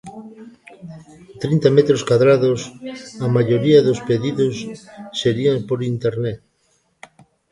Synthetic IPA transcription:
t̪ɾint̪amet̪ɾoskwaðɾaðosamaʎoɾiɐðospeðiðosːeɾiaŋpoɾint̪eɾnet

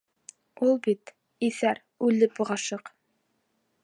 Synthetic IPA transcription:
ulˠbit̪ | iθæɾ | ʉlɘp̚uʁɑʃɤq

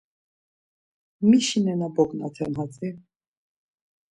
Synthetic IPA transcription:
miʃinɛnabɔkʼna̰t̪ʰɛnɦat͡sʼi

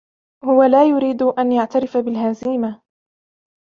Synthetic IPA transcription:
hʊwalaːjʊɾiːd̪ʔanjaʕt̪aɾɪfabɪlɦaziːma

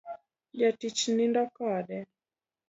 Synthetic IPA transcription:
jatit͡ʃinindakaɗɛ

